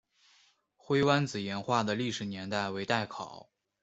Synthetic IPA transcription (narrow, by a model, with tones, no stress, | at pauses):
xwe˥ɪwa˥nt͡sɹ̩˨˩jɛ˧˥nxwa˥˩d̪ə˩li˥˩ʂɻ̩˨˩njɛ˧˥nt̪a˥˩ɪwe˧˥ɪt̪a˥˩ɪkʰɑ˨˩˦ʊ